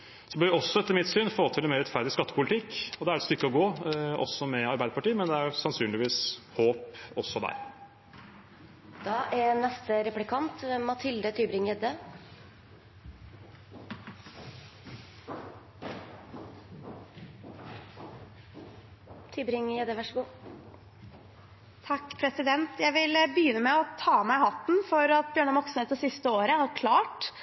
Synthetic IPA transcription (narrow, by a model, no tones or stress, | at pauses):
sɔbœːɾɪɔsːɔɛt̪ːəɾmɪt̪syːnfoːt̪ʰɪlɛnmeːɾɛt̪fæɾd̪ɪskɑt̪ːəpʊlɪt̪ʰɪkːɔd̪ɛæɾɛt̪st̪ʏkːəɔɡoːɔ̰sːɔmɛɑɾbæɪd̪əpɑʈiːmɛnd̪ɛæɾjʊsɑnsyːnlɪʋiːshoːpɔsɔd̪æ̰ɾ | d̪̥ɑːʔænɛst̪əɾɛplɪkʰɑnt̪mɑt̪ʰɪld̪ət̪ʰyːbɾɪŋjɛd̪ə | t̪ʰyːbɾɪŋjɛd̪ːəʋæʂəɡuː | t̪ʰɑkːpʰɾɛsɪd̪ɛnt̪jæɪʋɪlbəjʏnːəmɛɔt̪ʰɑːmæɪhɑt̪ːn̩fɔɾɑt̪̚bjøːɳəmɔksnet̪əsɪst̪əoːɾəhɑɾkʰlɑːʈ